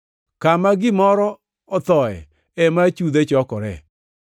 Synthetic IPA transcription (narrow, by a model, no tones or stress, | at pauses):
kamaɡɪmɔɾɔ | ɔt̪ɔɛ̰ | ɛmat͡ʃud̪et͡ʃɔkɔɾɛ̰